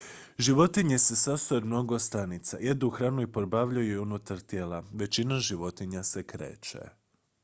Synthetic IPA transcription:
ʒiʋo̞t̪iɲe̞se̞sast̪oemno̞ɡo̞st̪anit̪sa̰je̞d̪uxɾaːnuipoɾbaʋʎajuunut̪aɾt̪je̞ːlaʋe̞t͡ɕinaʒiʋo̞t̪iɲase̞kɾḛːt͡ʃḛ

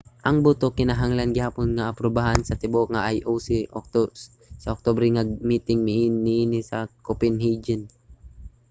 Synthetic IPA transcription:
ʔɐŋbʊt̪okɪnaɦaŋlanɡɪhaːponŋaːpɾobaɦansɐt̪ɪboʔŋaʔajʔosiʔok̚t̪ | sɐok̚t̪obɾɛŋaɡmiːt̪ɪŋmɪʔːɪʔinɪsɐkopɪnhid͡ʒɪn

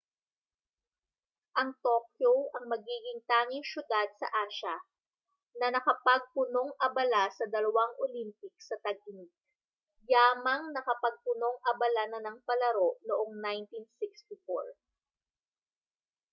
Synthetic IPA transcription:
ʔɐŋt̪okjowʔɐŋmɐɡiːɡɪŋt̪aːŋɪŋʃjʊd̪ad̪̚sɐ̰ʔaːʃɐ | nɐnɐkɐpɐɡ̚pʊno̞ŋʔɐbɐlasɐd̪ɐlɐwaŋʔolimpɪk̚sɐt̪ɐɡ̚ɪnɪk̚ | jaːmɐŋnɐkɐpɐɡ̚pʊno̞ŋʔɐbɐlanɐnɐŋpɐlɐɾo̞ʔnoʔoŋnajnt̪insɪkst̪ɪfo̰ɹ

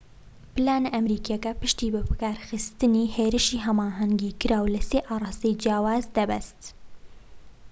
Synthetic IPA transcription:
pɨlaːnaʔɛmɾiːkjɛkɛpɨʃt̪iːbɨpɨ̥kaːɾxɨst̪ɨniːheːɾɨʃiːɦɛmaːɦɛŋɡiːkɨɾaːwlɨseːʔɑːɾˤɑːst̪ejd͡ʒijɑːwaːzd̪ɛbɛst̪

